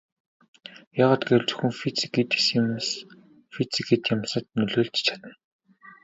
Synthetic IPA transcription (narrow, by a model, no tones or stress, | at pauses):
jaːʁaːt̪ɡeɘ̆ɮt͡sɵ̥xɵ̆ŋfit͡sɡet̪e̥sms | fit͡siɡet̪jamsə̆t̪nɵɮoːɮt̪t͡ɕʰḁt̪ə̆n